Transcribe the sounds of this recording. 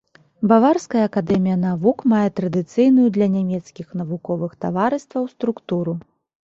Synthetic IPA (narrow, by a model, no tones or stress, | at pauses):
bavarskɐjɐːkad̪ɛmʲijɐnavukmajɛt̪ɾɐd̪ɨt̪sɨjnujud̪lʲɐnʲamʲɛt̪skʲixn̪ɐvukɔvɨxt̪a̰vaɾɨst̪vɐwst̪ɾukt̪uɾu